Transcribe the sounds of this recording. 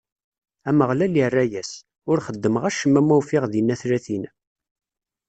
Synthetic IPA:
æməʁlælirːæjæs | ʊɾχəd̪ːəməʁæʃəmːæmæwfɪʁðinːæθɾæθin

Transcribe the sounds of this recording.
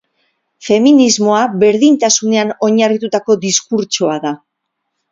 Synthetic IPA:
fe̞minizmo̞aβe̞ɾðint̪asune̞ano̞ɲarit̪ut̪ako̞d̪iskuɾt͡ʃoaða

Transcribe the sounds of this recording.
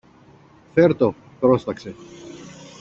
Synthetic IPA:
feɾt̪o̞ | pɾo̞st̪ɐkse̞

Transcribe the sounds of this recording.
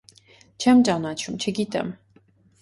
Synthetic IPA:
t͡ʃʰɛmt͡ʃʼanat͡ʃʰumt͡ʃʰɛɡit̪ʼɛ̰m

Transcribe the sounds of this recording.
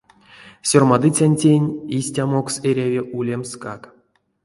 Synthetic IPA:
sʲormad̪ɨt͡sʲanʲtʲenʲisʲtʲamo̞kseɾʲavʲiʔulʲemskak

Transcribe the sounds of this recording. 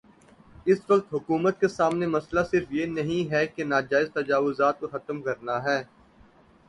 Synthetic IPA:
ɪsʋɐqt̪ɦʊkuːmət̪̚kesaːmnemɐslasɪɾfjenɐɦĩɦɛkenaːd͡ʒaːɪzt̪ɐd͡ʒaːʋʊzaːt̪̚koxɐt̪əmkɐɾnaɦɛː

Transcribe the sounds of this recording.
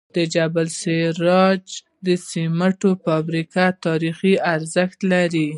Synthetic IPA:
d̪əd͡ʒabalseɾɑd͡ʒ | d̪əsimaʈofɑbɾikat̪ɑɾixiaɾzəxt̪laɾi

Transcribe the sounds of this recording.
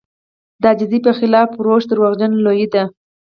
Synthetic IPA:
d̪ɑd͡ʒɪzipəxɪlɑfɾoʃd̪əɾwaɣd͡ʒanlojid̪a

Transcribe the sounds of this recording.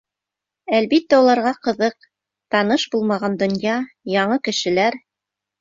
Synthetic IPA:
ælbit̪ːæulˠɑɾʁɑqɤ̆ðɤq | t̪ɑnɤʃbulˠmɑʁɑnd̪ŏnjɑ | jɑɴɤkɘ̆ʃɘ̆læɾ

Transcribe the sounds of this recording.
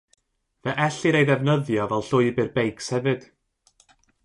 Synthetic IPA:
vɛʔɛɬɨɾejðɛvnəðjɔvɛlˠɬʊːɨbɨrbejkshɛvɨd̥

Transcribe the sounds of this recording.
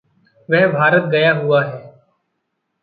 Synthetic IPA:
ʋɛɦbʱaːɾət̪̚ɡəjaːɦʊaːɦɛː

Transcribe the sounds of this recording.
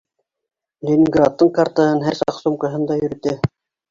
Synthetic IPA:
lʲenʲiŋɡrat̪ːɤɴkart̪ɑɦɤnɦæɾsɑqsumkɑ̆ɦɤnd̪ɑjɵ̆ɾɘ̆t̪ɘ

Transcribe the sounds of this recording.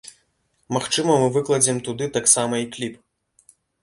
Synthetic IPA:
maxt͡ʂɨmɐmɨvɨklˠɐd͡zʲimt̪ud̪ɨt̪aksamɐiklʲip

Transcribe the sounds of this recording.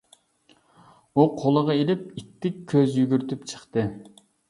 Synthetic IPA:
uqʰolˠəʁɑelɪp̚it̪ʰːɪkʲʰːøzjyɡʲyɾt̪ypt͡ʃʰə̥χt̪ɨ

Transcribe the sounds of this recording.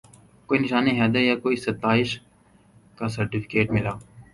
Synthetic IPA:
koːinɪʃaːneɦɛːd̪əjaːkoːisɐt̪aːɪʃ | kaːsɐɾʈifʰɪ̥keːʈmɪlaː

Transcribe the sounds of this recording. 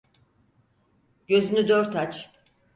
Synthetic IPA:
ɟø̞zynyd̪øɾt̪at͡ʃ

